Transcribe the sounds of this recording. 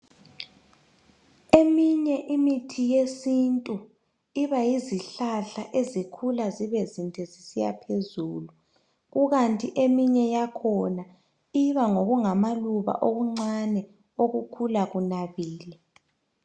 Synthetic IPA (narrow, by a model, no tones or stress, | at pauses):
emiɲɛʔimitʰijesintʼu | iβajiziɬaɬaʔezikʰulaziβɛzintʰʼɛzisija̰pʰezuːlu | ɣuɣantʼiʔemiɲɛjakʰɔna | iβaŋoɣuŋamaluβa̰ʔoɣuŋ͡ǀanɛ | oɣukʰulaɣunaβiːlɛ